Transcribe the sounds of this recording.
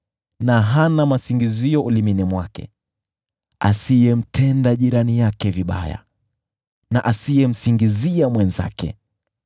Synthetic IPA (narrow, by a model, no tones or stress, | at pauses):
naɦanamasiŋɡiziɔʔuliminɛmwakɛ̰ | a̰sijɛm̩tʰɛndaʄiɾanijakɛviɓa̰ja̰ | naʔasijɛm̩siŋɡiziamwɛnza̰kɛ̰